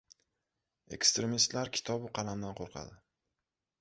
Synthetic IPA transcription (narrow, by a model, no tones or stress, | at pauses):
e̞̰kst̪ɾe̞mist̪laɾkʲʰɪ̥t̪ʰɒbɪqʰɑlamd̪anqʰoɾqʰɑ̰d̪ɪ